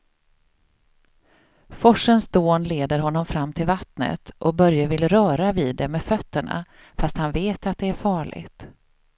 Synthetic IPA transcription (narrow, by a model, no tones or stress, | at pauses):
fɔʂənsd̪oːnleːd̪əɾɦɔnːɔmfɾamːt̪ʰɪlvat̪nə̰t̪ʔɔbœɾjəvɪlɾœːɾaviːd̪ːɛmɛfœt̪ːəɳa̰ | fast̪hanveːt̪at̪̚d̪ɛæɾfɑːɭɪ̰ɡt̪